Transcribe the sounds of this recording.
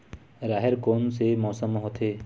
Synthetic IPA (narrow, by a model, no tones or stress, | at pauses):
ɾaːɦɪɾkoːnsemɔːsəmɦot̪ʰeː